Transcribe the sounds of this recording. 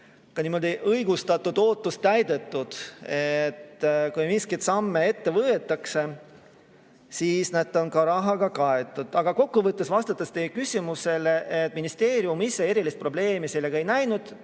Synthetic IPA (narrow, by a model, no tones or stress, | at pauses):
kɑniːmo̞d̪iʔɤjɡ̥ust̪ɑt̪ːˑud̪̥o̞ːt̪ːˑust̪æjd̪e̞t̪ːud̪̥et̪ːkujmiskit̪sɑmːee̞t̪ːe̞vɤːet̪ːˑɑkse̞ | siːsned̪ˑo̞nkɑɾɑɦɑɡ̥ɑkɑe̞t̪ːˑud̪̥ɑɡ̥ɑko̞kːuvɤt̪ːesvɑst̪ɑt̪ːˑɑst̪eːkysʲimuse̞leʔet̪ːˑminist̪e̞ːɾiumisːe̞e̞ɾilist̪̚pro̞ble̞ːmiselːe̞ɡ̥ɑe̞jnæjnud̪̥